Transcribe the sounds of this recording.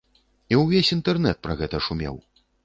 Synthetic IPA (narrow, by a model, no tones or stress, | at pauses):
iwvʲesʲint̪ɛrnɛt̪̚pɾɐɣɛt̪ɐʂumʲɛ̰w